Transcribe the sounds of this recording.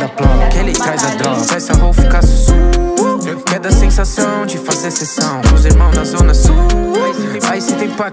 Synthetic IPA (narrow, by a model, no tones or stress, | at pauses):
d̪ɐplɔ̃ɐkɛlet̪ɾajzɐd̪ɾɔɡɐsajsɐɦowfikasɪsu | kɛd̪ɐsẽsasɐ̃w̃d͡ʒɪfazesesɐ̃w̃kʊ̃zeɾmɐ̃w̃znɐzõnɐsu | aisɪt̪ẽpa